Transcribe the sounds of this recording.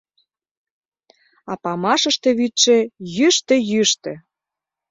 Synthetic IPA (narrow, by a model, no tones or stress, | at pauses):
ɑpɑmɑʃəʃt̪ĕβyt̪ʃĕjyʃt̪ĕjyʃt̪ĕ